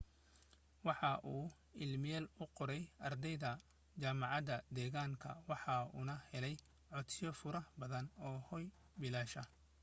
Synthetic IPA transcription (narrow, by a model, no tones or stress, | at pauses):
wɑħɑʔuː | ɪlmɪjɛːlʊqɔɾɛjɐrd̪ɛjðɐ | t͡ʃaːmɑʕɑd̪ɐd̪ɛːɣaːŋkʰɐ̰wɑħɑṵnɐhɛlɛj | ʕɔt̪sɪjɔfʊɾɐhbɐðɐnɔːhɔj | bɪlaːʃɐ